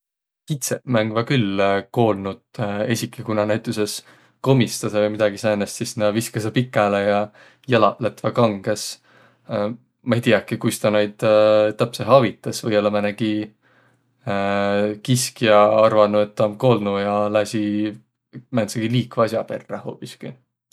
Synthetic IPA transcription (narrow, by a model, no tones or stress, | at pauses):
kit̪semæŋɡ̥vɑkylːko̞ːlnud̪̥e̞sʲikʰːˑikunɑnæjt̪ːˑuse̞s | ko̞mist̪ɑsɑvjmid̪̥ɑɡ̥isɑjnest̪sisnɑviskɑsɑpikːˑælejɑ | jɑlɑʔlet̪vɑkɑŋɡ̥es | mɑejt̪iɑkːikujst̪ɑnɑjd̪̥t̪ːæpseɦɑvit̪ːˑɑsvɤjolːɑmæneɡ̥i | kiskijɑɑrvɑnue̞t̪ːomko̞ːlnujɑlæsʲi | mænt̪seɡ̥iliːkvɑsjɑpe̞rːeho̞ːpːiskyl